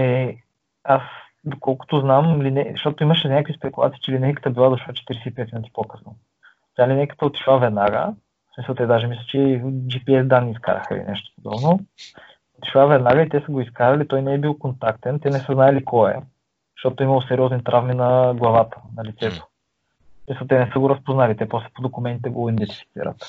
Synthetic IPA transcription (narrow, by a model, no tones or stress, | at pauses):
ɛ | as | d̪okɔlˠkʊ̥t̪oznamlinɛʃt̪ɔt̪oiməʃɛnʲakvispɛkulˠa̰t̪sit͡ʃɛlinɛjkə̥t̪əbilˠad̪ʊʃat͡ʃɛ̥t̪iɾɛsɛipɛt̪inət̪i̥pokɤ̥sno | t̪ʲalinɛjkə̥t̪əot̪i̥ʃlˠavɛd̪naɡə̰ | smisəlˠt̪ɛd̪aʒɛmislʲət͡ʃɛd͡ʒipiɛzd̪anːiːska̰ɾɐ̰xə̰lḭnɛ̰ʃt̪o̥pod̪ɔ̰bno | ot̪i̥ʃlˠavɛd̪naɡəit̪ɛsəɡoiskaɾɐlit̪ɔjnɛɛbilˠkont̪akt̪ɛnt̪ɛnɛsəznaɛlikʰɔɛ̰ | ʃt̪ɔt̪oimɐlˠosɛɾʲiɔznit̪ɾʔavminɐɡlˠɐvat̪ə̥nɐlit̪sɛt̪o̥ | smisəlˠt̪ɛnɛsəɡoɾɐspoznalit̪ɛpɔslɛ̥pod̪okʊmɛnt̪it̪ɛɡoind̪ɛnt̪i̥fi̥t̪sḭɾə̰t̪